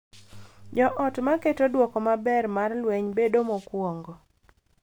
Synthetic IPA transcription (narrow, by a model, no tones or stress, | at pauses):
d͡ʒɔʔɔtmaketodwɔkɔmabɛrmarlweɲbedomokwɔŋɡɔ